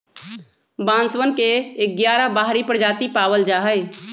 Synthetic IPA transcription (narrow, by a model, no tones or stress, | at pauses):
bãːnswənkeːk̚ɡjaːɾabaːɦɾipɾəd͡ʒaːt̪ipaːwəld͡ʒaːɦəɪ